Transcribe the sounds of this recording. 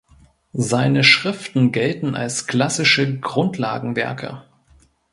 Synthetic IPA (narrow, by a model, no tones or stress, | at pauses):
zaɪnəʃʁ̥ɪftn̩ɡɛltn̩a̰lskl̥asɪʃəɡʁʊntʰla̰ːɡŋ̩vɛ̰ɐkʰə̰